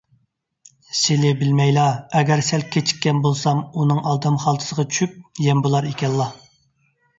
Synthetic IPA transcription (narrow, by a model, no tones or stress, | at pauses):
sɪlɪbɪlmɛjlˠɑɛɡʲɛɾsɛlkʲʰet͡ʃʰi̥kʲːɛnbolˠsɑmunɨŋʔɑlˠd̪ɨmχɑlˠt̪ʰɨ̥səʁɑt͡ʃʰy̥ʃyp̚jɛmbulˠɑɾekʲʰɛlːɑ